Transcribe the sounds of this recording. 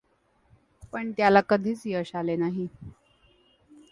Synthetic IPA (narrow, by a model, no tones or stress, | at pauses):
pəɳt̪jalakəd̪ʱiːt͡sjəɕalenaɦi